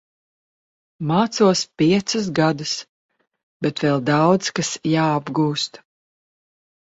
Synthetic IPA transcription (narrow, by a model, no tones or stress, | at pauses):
maːt̪suɔspʲiɛt̪sɨs̬ɡad̪ɨs | bɛt̪vɛlˠd̪awd̪zkasjaːabɡuːst̪